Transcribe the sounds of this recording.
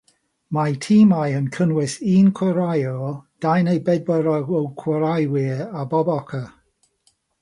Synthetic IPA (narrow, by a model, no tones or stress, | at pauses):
majtʰiːmajənkʰənwɪsiːnkʰwəɾajɔd̥ajnejbɛd̚bəɾɔɔwkʰwəɾajwɪabɔbɔkʰə